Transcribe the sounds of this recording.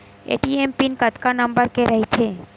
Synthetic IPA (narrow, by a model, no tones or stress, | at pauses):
ḛʈiempinkət̪kanəmbəɾkeɾəɦit͡ʃʰe